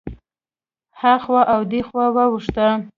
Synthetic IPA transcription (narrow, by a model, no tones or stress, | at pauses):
haxwaʔawd̪exwawawuʂt̪a